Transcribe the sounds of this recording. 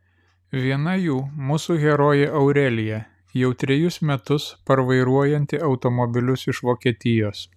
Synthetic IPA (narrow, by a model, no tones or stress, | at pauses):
ʋʲiɛnɐjuːmuːsuɣʲɛɾoːjɛʔɐʊɾʲɛlʲɪjɛ | jɛʊt̪ʲɾʲɛjʊsmʲɛt̪ʊspɐɾʋɐɪɾuɔjɛnʲt̪ʲɪɐʊt̪omɔbʲɪlʲʊsɪʃʋoːkʲiɛt̪ʲɪjoːs